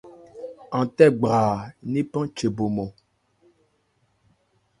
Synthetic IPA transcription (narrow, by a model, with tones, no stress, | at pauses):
ã˨tɛ˦ɡ͡baː˨ni˦pɔ̃˦t͡ʃe˨bo˨mɔ˨